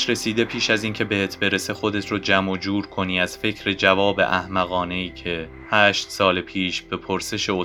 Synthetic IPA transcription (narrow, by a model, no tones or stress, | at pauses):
ʃɾe̞siːd̪e̞pʰiːʃæziːncʰe̞be̞het̪ʰbe̞ɾese̞xo̞d̪e̞t̪ʰɾod͡ʒæmod͡ʒuːɾkʰo̞niːæz̥fe̞cʰɾe̞d͡ʒævɒːbe̞̰ʔæhmæɣɒːne̞iːcʰe̞ | hæːʃt̪sɒːlepʰiːʃb̥e̞pʰoɾse̞ʃeo